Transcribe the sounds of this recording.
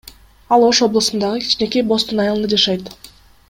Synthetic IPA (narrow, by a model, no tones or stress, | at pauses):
ɑlˠo̞ʃo̞blˠəsɯnd̪ɑʁɯkʰi̥t͡ʃne̞kebo̞st̪unɑjɑlˠɯnd̪ɑd͡ʒɑʃɑjt̪